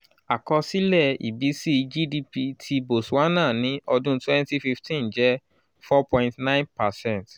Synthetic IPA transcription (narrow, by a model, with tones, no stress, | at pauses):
a˨kɔ˧si˦lɛ˦˨ḭ˨bi˨˦si˦d͡ʒi˦di˧pi˧tʰi˧bo˨swa˦nã˦˨nĩ˨˦ʔɔ˧dũ˦twɛ̃˦nti˦fi˧ftʰĩ˦nd͡ʒɛ˨˦ | fɔ˦pɔ̃˧ɪ̃ntnã˦j̃npa˨sɛ̃˦˨nt